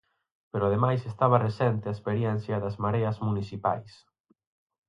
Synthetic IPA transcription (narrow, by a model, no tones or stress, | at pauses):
peɾʊaðemajsest̪aβɐresɛnt̪ɪaespeɾjɛn̟θjɐðɐzmaɾeɐzmuniθipa̰js